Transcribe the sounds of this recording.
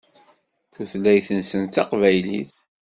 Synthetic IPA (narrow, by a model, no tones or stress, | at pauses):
θuθlːæjθənsənt̪ːɑqvæjlḭθ